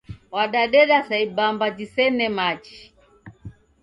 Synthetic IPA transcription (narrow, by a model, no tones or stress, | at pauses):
waɗaɗɛɗasaibambad͡ʒisɛnɛmat͡ʃi̥